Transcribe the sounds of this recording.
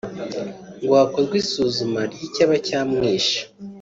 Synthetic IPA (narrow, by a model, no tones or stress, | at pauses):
ŋɡwaːko̞zɡwiːsuːzumaɾjicaβacaːmŋiːʃḁ